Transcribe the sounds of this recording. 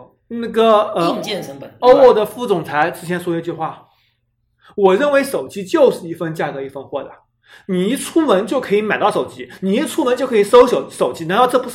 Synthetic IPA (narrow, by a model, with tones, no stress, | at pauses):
na˥˩ɡə˩ə˧˥˧ŋt͡ɕjɛ˥˧nʂə˧˥ŋpə˨˩o˥ʊo˥˩d̪ə˩fu˥˩t͡sʊ˨˩ŋt͡sʰa˧˥ɪʈ͡ʂɻ̩˥t͡ɕʰjɛ˧˥nʂwɔ˥˧˥t͡ɕy˥˧xwa˥˩ | wɔ˨˩ɻə˥˩nwe˧˥ɪʂo˨˩ʊt͡ɕi˥t͡ɕjo˥˧ʊʂɻ̩˥˧i˥˩fə˥˧nt͡ɕja˥˩kɤ˧˥i˥˩fə˥nxwɔ˥˩d̪ə̰˩ | ni˨˩i˥t͡sʰu˥wə˧˥nt͡ɕjo˥˩ʊkʰɤ˧˥i˧˥ma˨˩ɪt̪ɑ˥˩ʊʂo˨˩ʊt͡ɕi˥ni˨˩i˥t͡sʰu˥mə˧˥nt͡ɕjʊkʰɤ˧˥i˨˩ʂo˥ʊɕo˨˩ʊʂo˨˩ʊt͡ɕi˥a˧˥nt̪ʊʈ͡ʂɤ˥˩pu˧˥